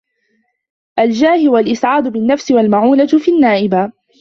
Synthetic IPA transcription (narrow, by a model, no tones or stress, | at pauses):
ʔald͡ʒaːhɪʊwalʔɪsʕaːd̪ʊbɪnːafsɪwalmaʕuːlafinːaːʔɪba